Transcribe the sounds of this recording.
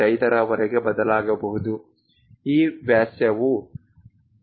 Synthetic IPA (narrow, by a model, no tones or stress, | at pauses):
ɐjt̪ɐɾɐʋɐɾɛɡe̞bɐd̪ɐlaːɡɐbɐɦud̪u | iːʋjaːsjɐʋu